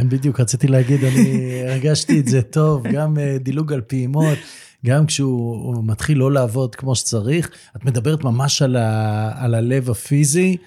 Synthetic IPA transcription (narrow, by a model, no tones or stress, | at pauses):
enbid̪jukʁat͡sit̪ileaɡid̪anieʁɡaʃtiezeto̞vɡamed̪iluɡalpiːmo̞t̪ | ɡamkʃɛumat̪χilːo̞laːvo̞d̪kmo̞ʃe̥t͡saʁiχ | at̪me̞d̪abe̞ʁet̪mamaʃalaːlale̞vafizi